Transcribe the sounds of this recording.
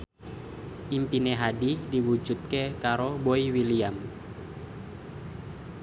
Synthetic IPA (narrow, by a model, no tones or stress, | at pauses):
ʔimpineɦadidiwud͡ʒut̪̚kekaɾoboiwiliam